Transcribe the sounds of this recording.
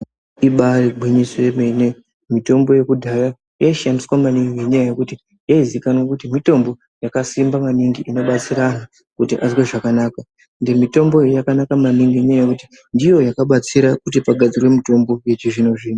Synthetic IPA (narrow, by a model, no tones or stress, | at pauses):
iɓariɡ͡bʱwiɲisweme̞ne | mito̞mbo̞je̞kudʱaja | jaiʃandiswamaniŋɡieɲajaje̞kuti | jaizikanwokutimito̞mbo̞ | jakasimbamaniŋɡiʔino̞ɓat͡sirana | kutiʔazweʐakanaːka | ndemito̞mbo̞jakanakamaniŋɡiɲajajekuti | ndijo̞jakaɓat͡siɾakutipaɡʱad͡zirwe̞mito̞mbo̞je̞t͡ʃiʐinoʐiːno